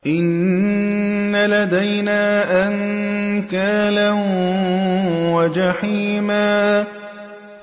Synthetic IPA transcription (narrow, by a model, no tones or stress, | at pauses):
ʔɪnː | alad̪ajnaːʔaŋkaːlan | wad͡ʒaħiːmaː